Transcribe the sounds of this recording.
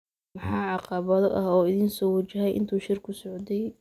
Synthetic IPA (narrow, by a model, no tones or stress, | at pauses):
mɑħɑːʕɑqɑβɐðɔʔɐhɔːɪðiːnsɔːwɐt͡ʃɐɦɛjʔɪ̰nt̪ʰuːʃɪrkʰʊsɔʕd̪ɛj